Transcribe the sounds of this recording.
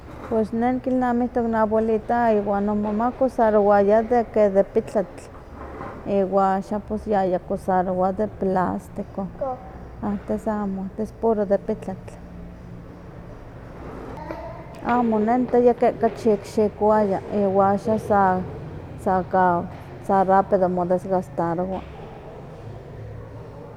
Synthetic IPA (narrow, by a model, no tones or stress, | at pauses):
pwesnenkilnamiht̪oknabolit̪aiwanomomakosaɾowajad̪eked̪epit͡ɬat͡ɬ | iwaaʃapesjajakosaɾowad̪eplast̪iko | at̪esamot̪espoɾod̪epit͡ɬat͡ɬ | amonent̪ajakeʔkat͡ʃikʃikwajaiwaaʃasa | saka | sarapeðomod̪esɣast̪aɾwa